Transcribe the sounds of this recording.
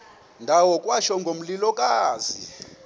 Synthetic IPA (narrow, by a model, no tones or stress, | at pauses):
ndʱawɔkʼwaʃɔŋɡʱom̩lilɔkʼaːzi